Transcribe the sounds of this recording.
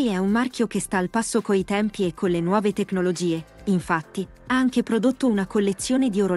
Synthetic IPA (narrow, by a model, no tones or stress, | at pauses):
ɛumːarkjokest̪aːlpasːokoit̪ɛmpiekʰːonlenwɔːvet̪ekːnolod͡ʒiːe | iɱfat̪ːi | aaŋkepɾod̪ot̪ːounakolːet̪sːjoːned̪ioɾo